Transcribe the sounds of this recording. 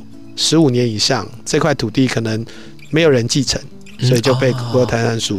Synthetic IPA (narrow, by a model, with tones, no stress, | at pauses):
ʂɻ̩˧˦u˨˩njɛ˨˧˦ni˨˩ʂɑ˥˨ŋ | ʈ͡ʂɤ˥˧kʰwa˥˩ɪt̪ʰu˨˩t̪i˥˩kʰɤ˨˩nə˨˦ŋ | me˧˦ɪjo˨˩ə˧˦nt͡ɕi˥˩ʈ͡ʂʰə˧˦ŋ | sɔ˧˦˥i˨˩t͡ɕjo˥˧ʊpe˥˩ɪkɔ˧o˧˩t̪ʰa˧˥ɪna˧˥nsu˨˩